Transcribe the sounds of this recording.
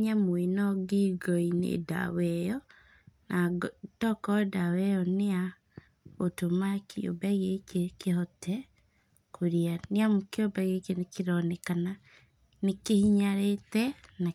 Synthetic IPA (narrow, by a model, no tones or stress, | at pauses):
ɲamwenɔɡiɡɔinḛda̰wɛjɔ | naɡtɔkɔdawɛjɔnea | otomakʰio̰bɛɣekekehɔtʰɛ | kʰoɾianeamukeobɛɣekenekeɾɔnɛkana | nekehiɲaɾetɛna